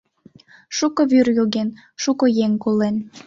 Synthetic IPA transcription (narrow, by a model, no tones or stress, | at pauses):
ʃukoβyrjoɣen | ʃukojeŋkolen